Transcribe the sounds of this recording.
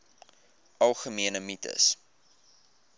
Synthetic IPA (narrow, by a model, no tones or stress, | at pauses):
ɐlˠχəmiənəmitə̰s